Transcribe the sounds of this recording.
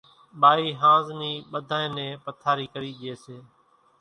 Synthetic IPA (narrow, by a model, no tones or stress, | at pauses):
ɓaːiːɦãːzniːɓəd̪ʱaːẽːnẽːpət̪ʰaːɾiːkəɾiːɗeːseː